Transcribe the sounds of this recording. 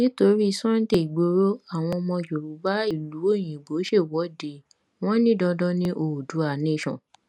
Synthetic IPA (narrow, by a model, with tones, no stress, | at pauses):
nĩ˦to˧ɾi˦i˧˦sɔ̃˦n̩˦te˦˨ɡ͡bo˧ɾo˦a˦˨w̃ɔ̃˧mɔ̃˧d͡ʒo˨ɾu˨˦ba˦i˦˨lu˨˦o˦˨j̃ĩ˨ɡ͡bo˨˦ʃe˦˨wɔ˨˦de˨ | w̃ɔ̃˦nĩ˦dɔ˧dɔ˦nĩ˧ʔo˨du˨˦a˨nĩ˨˦ʃɔ̰̃˨